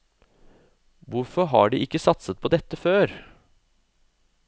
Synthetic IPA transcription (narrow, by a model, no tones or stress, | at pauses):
ʋʊɾfɔɾɦɑ̰ːɖḭːʔɪkːəsɑt̪sət̪̚pʰoːd̪ɛt̪ːəføːɾ